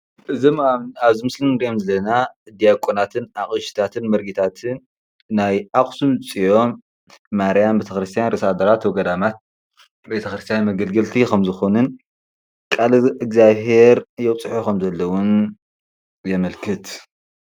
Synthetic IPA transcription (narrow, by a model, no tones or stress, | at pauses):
ʔɨzimamnaβzimɨslinɨɾijomzɐlɐnaʔɨd̪ijakʼonat̪ʰɨnaχʼɨʃi̥t̪ʰat̪ʰɨnmɐɾɡit̪ʰat̪ʰɨnː | ajaχʼsumt͡sʼijo̞mː | aɾijambet̪ʰɐxɾɨst̪ʰijanɾʔɐsad̪ɐɾat̪wɔɡɐd̪amat̪̚ | bet̪ʰɐxɾɨst̪ʰijanmɐɡɐlɡɐlt̪ʰikɐmzɨxonɨn | kʼalɨkzaβɦe̞ɾjɛwt͡sʼɨħukɐmzɐlːɐwʊn | jɛmɐlkʰɨt̪